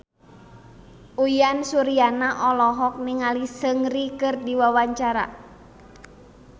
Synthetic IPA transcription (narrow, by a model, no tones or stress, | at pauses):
ujansuɾianaʔɔlɔɦɔk̚niŋalisəŋrikɨrdiwawaɲt͡ʃaɾa̰